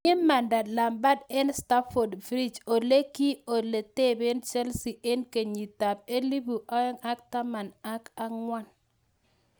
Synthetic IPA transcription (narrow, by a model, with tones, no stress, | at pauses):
ɪ˦mːa˨nda˨dla˨mba˦dɛ˦nsta˦fo˨dvɾi˦d͡ʒo˨le˦ki˦o˨le˨te˦be˦nt͡ʃɛ˦lsi˨ʔe˦nke˨ɲi˨ta˨p̚e˦li˦bu˨ʔa˦ɛ˦ŋa˦k̚ta˦ma˨na˦ka˦ŋwa˦n